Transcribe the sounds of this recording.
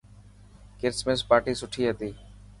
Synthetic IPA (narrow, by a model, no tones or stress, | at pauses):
kɪɾsmẽspaːɾʈiːsʊʈʰiːɦət̪iː